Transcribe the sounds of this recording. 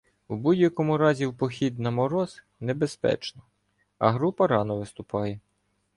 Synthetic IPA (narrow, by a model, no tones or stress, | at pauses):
wbudʲjɐkɔmʊɾɑzʲiwpɔxʲid̪̚nɐmɔɾɔz̥ | nebespɛ̰t͡ʃnɔ | ɐ̰ɦɾupɐɾɑnɔʋɪst̪ʊpɑjɛ